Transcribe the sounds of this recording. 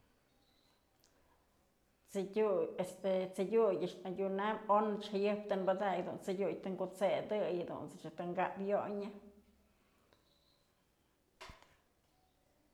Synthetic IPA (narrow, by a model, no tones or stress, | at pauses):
t͡sɨujest̪et͡sɨɡʲujɨʂnaɡʲunamonɨt͡ʃhajɨhp̚t̪ɨnbad̪ajd̪ṵnt͡sɨɡʲujt̪ɨŋɡut͡sed̪ɨjhad̪ṵnt͡sɨt͡ʃat̪ɨŋɡaʔpjoɲɨ